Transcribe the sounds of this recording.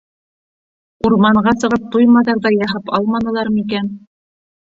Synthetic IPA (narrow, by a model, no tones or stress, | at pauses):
uɾmɑɴɢɑsɤ̆ʁɤp̚t̪ujmɑðɑɾðɑjɑɦɤpɑlˠmɑnɤ̆lˠɑɾɤmik̬æn